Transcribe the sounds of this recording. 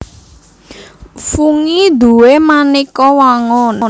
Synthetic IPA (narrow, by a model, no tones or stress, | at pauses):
fuŋid̪ṳwemanikɔwaŋɔn